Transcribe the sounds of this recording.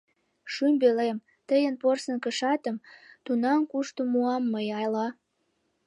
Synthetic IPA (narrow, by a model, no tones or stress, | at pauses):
ʃymbelem | t̪əjənporsə̆nkəʃɑt̪əmt̪unɑmkuʃt̪omuɑmːəjɑjlɑ